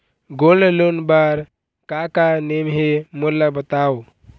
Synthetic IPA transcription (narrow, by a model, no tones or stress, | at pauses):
ɡollonbaɾ | kakanemɦemoɾlabət̪ao